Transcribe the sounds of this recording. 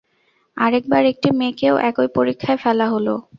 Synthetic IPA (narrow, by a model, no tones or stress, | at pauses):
aɾek̚baɾek̚ʈimekeoʔɛkojpoɾikʰːaefɛlaɦolo